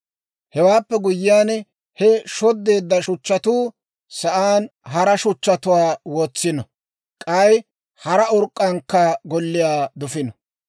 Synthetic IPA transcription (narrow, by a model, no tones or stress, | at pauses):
hɛwaːpːɛɡʊjːɪjaːn | hɛʃɔd̪ːe̞ːd̪ːɐʃʊt͡ʃːɐt̪uː | sɐʔaːnɦɐɾɐʃʊt͡ʃːɐt̪ʊwaːwoːt͡sːɪnɔ | kʼɐj | hɐɾɐɔɾkʼːɐŋkːɐɡɔlːɪjaːd̪ʊfɪnɔ